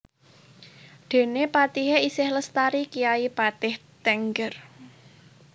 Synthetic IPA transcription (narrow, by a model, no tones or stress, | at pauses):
d̪̥e̤nepat̪iɦeisɪhləst̪aɾikijaipat̪ɪht̪ɛŋɡər